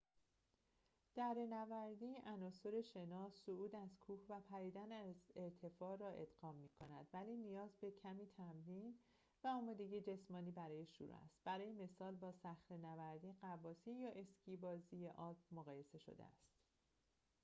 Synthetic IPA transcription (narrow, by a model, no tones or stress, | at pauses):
d̪̥æɾe̞nævæɾd̪iːʔænɒːso̞ɾe̞ʃe̞nɒːsːouːd̪æzkʰuːhvæpʰæɾiːd̪ænæze̞ɾt̪ʰe̞fɒːɾɒːʔed̪ɢɒːmːiːkʰo̞næd̪̥væliːnijɒːzbe̞cʰæmiːt̪ʰæmɾiːn | væɒːmɒːd̪e̞ɟid͡ʒe̞smɒːniːbæɾɒːje̞ʃṵɾṵæ̰st̪̚b̥æɾɒːjeme̞sɒːlbɒːsæxɾenævæɾd̪iːɢævɒːsiːjɒːʔe̞scʰiːbɒːzijeʔɒːbmoɣɒːje̞se̞ʃo̰d̪ḛæ̰st̪